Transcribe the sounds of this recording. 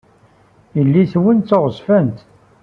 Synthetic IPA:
jəlːiθwənt̪ːoʁəzfənt̪

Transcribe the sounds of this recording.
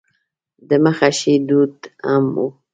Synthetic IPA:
d̪əmaxaʃid̪ut̪a̰mu

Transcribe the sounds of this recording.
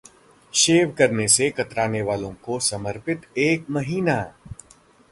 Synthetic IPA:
ʃeːʋkɐɾnesekɐt̪ɾaːneʋaːlõkosɐməɾpɪt̪eːk̚mɐɦiːnaː

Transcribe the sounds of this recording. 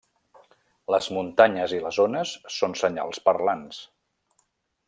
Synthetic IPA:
ləzmunt̪aɲəziləzonəsːonsəɲa̰lˠspəɾlans

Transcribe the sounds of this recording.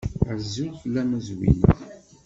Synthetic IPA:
əɾzuθəlːæmæzwḭn̰θ

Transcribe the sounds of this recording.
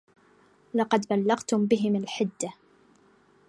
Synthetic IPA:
lɑqɑd̪balːɑɣt̪ʊmbɪɦɪmalħɪd̪ːa

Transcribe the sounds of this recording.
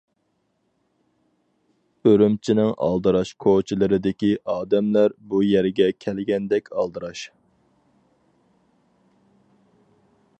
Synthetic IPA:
øɾymt͡ʃʰinɪŋɑ̰lˠd̪ɨɾɑʃkʰot͡ʃʰilˠɨɾɪd̪ɪkʲiʔɑːd̪ɛmlæɾbujɛɾɡʲɛkʲʰɛlɡʲɛnd̪ɛkʲʰɑ̰lˠd̪ɨɾɑʃ

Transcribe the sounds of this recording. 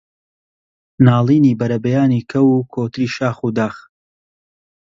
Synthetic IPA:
naːlˠiːniːbɐɾɐbɐjaːniːkʰɐwukʰoːt̪ɨɾiːʃaːxud̪aːx

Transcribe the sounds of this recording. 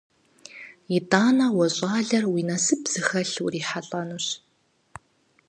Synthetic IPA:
jidʼaːnɐwɔɕʼaːɮɐrwiːnɐsɨpz̥ɨxɐɬṵriːħaɬʼɐnuɕ

